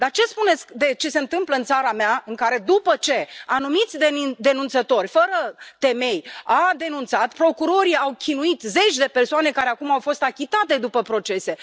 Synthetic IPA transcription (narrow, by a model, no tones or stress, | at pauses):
d̪art͡ʃe̞spune̞t̪skd̪e̞t͡ʃe̞se̞ɨnt̪ɨmpləɨnt̪saɾameaɨŋkaɾe̞d̪upət͡ʃe̞anumit̪sʲd̪ed̪e̞nunt̪sət̪o̞rʲfəɾət̪e̞me̞jad̪e̞nunt̪sat̪pɾo̞kuɾo̞ɾiawkʲʰinuit̪ze̞t͡ʃʲd̪e̞persoane̞kaɾeakumawfo̞st̪akʲit̪at̪e̞d̪upəpɾo̞t͡ʃe̞se̞